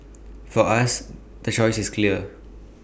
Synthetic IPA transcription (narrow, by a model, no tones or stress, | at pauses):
fɔʔas | d̪̥ət͡ʃɔɪsiskʰliə